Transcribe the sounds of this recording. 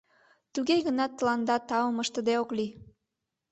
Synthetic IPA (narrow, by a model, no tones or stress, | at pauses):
t̪uɣeɣənɑt̪ːəlɑnd̪ɑt̪ɑəməʃt̪əd̪eokli